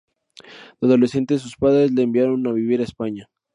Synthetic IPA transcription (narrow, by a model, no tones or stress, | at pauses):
dazolese̞nt̪ezes̬uspaðɾe̞zle̞ːmbjaɾonaβiβiɾaespaɲa